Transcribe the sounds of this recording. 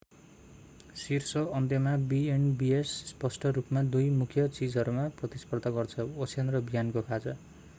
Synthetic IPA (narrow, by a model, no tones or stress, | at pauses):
sirsʌʌnd̪jʌmabienbiesːpʌsʈʌɾupmad̪ujmukʰjʌt͡sid͡zʌɾumaprʌt̪ispʌrd̪ʱaɡʌrt͡sʰʌosʰend̪rʌbijankokʰad͡zʌ